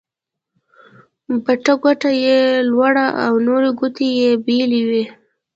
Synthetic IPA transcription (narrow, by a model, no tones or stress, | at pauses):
baʈaɡʷaʈajelwaɽaʔawnoɾeɡut̪ejebiliwi